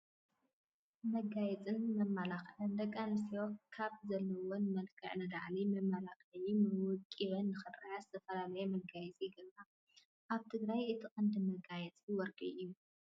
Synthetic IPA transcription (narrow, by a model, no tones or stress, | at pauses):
mɐɡajɛt͡sʼɨnmɐmːalaxlɐnd̪ɐkʼːanɨsiwokʰaβzɐlːɐwonmɐlkʰɐ̰ʕnɐd̪aʕlimɐmːalaxlimɨwʊkʼːiβɐnːɨxɨrajazɨt̪ʰɐfɐlalɐjemɐɡajɛt͡sʼiɡɐβa | ʔaβt̪ʰɨɡɾajʔɨt̪ʰɨχʼɨnd̪ɨmɐɡajɛt͡sʼiwɔɾkʼḭʔjːu